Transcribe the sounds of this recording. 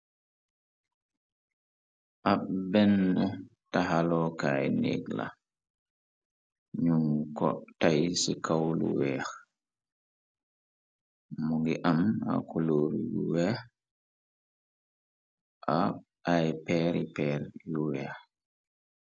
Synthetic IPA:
ʔabɛnːɔtaɦalɔːkajnḛɡla̰ | ɲuŋkɔ̰tajsikawlṵwɛɾ | muɡiʔama̰kʰoloɾijuwɛ | ʔa | ajpɛɾipɛɾjuwɛɾ

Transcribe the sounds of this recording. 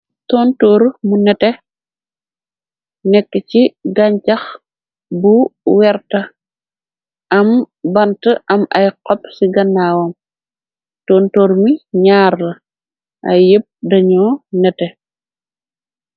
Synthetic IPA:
tɔntoːɾmunɛtɛ | nɛkːəciɡaɲt͡ʃɐx | buwɛɾtɐ | ʔɐm | bɐntəʔɐmɐjqɔpsiɡɐnːaːwɔm | tɔːntoːɾmiɲaːɾlɐ | ʔɐ̰jjep̚dɐɲɔnɛtɛ

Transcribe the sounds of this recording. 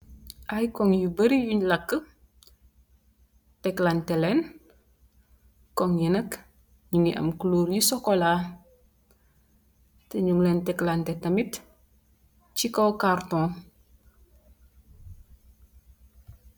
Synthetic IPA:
ʔajkɔŋjubəɾijuɲlɐkːə | tɛklantɛlɛn | kɔŋjinək | ɲuŋiʔɐ̰mkuluːɾjisɔkɔla | təɲuŋlɛntɛklantɛtɐmit | cikɔkartɔ̃ː

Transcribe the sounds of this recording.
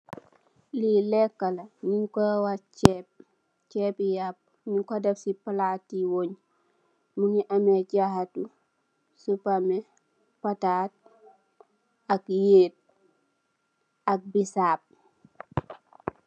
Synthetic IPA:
lilɛkːalaniŋkɔwat͡ʃɛp̚ | t͡ʃɛpijap̚ | niŋkodafsipalaːtːiwoɲ | muniʔameɟahatu | supame | pataːt̚ | akjeːt̚ | ak̚bisaːp̚

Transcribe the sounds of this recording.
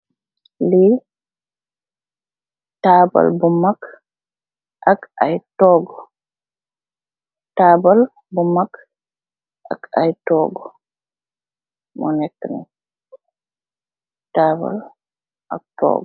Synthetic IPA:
li | taba̰lbumːak | ʔakajtɔɡɔ | taːbal | bumːak | ʔa̰kajtɔːɡɔ | mɔnɛkːnɛ̰ | taːba̰l | ʔa̰k̚tɔ̰ːɡɔ

